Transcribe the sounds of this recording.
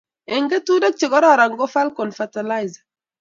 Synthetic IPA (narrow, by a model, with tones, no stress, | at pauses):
ɛ˨ŋɡɛ˦tu˦da˦k̚t͡ʃi˨ɡɔ˦ɾɔ˦ɾa˨ŋɡɔ˦fa˦lkɔ˨nfatala˦jz